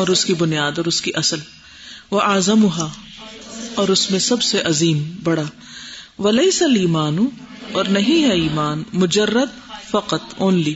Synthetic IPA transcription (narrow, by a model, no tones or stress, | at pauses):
ɔːɾʊskibʊnijaːd̪ɔːɾʊskiʔɐsəl | ʋɐʔaːzɐmʊɦaː | ɔːɾʊsmẽsɐbseʔɐziːmbɐɽaː | ʋɐlɐɪsɐliːmaːnʊ | ɔːɾnɐɦĩɦɛiːmaːnmʊd͡ʒɐrːɐd̪̚ | fɐqɐt̪oːnliː